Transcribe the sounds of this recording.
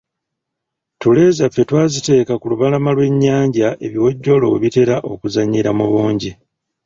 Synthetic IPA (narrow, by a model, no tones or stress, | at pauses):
tule̞ːzafːe̞twaːzite̞ːkakuluβalamalwe̞ɲːaːɲɟaʔe̞βiwo̞ɟːo̞lo̞weβite̞ɾaʔo̞kuzaɲːiɾamuβuːɲɟi